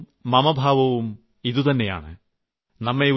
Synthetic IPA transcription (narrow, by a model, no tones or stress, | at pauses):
mɐmɐbʱaːʋɐʋum | iðut̪ɐnːe̞ja̰ːɳɨ | nɐmːeu